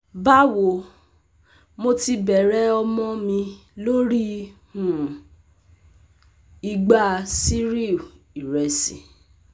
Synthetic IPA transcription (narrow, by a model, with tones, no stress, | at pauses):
ba˦wo˨ | mo˧ti˧bɛ˨ɾɛ˦ɔ˧mɔ̃˦mĩ˧lo˦ɾi˦hũ˨ | i˧ɡ͡ba˦˧si˦ɾi˦˨u˨ | i˨ɾɛ˨˧sḭ̃˨